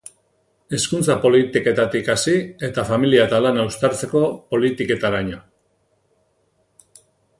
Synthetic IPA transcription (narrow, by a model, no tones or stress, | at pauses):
e̞skunt͡sapo̞lit̪ike̞t̪at̪ikasie̞t̪afamiliat̪alanawst̪aɾt͡se̞ko̞po̞lit̪ike̞t̪aɾaɲo